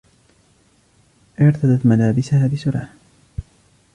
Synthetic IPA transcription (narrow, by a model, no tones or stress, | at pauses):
ʔɪɾt̪ad̪at̪malaːbɪsahaːbɪsʊɾɑː